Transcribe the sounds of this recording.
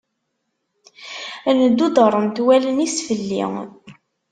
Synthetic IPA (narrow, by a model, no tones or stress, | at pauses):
ænəd̪ːud̪ərˤːənt̪wælənisfəlːḭŋ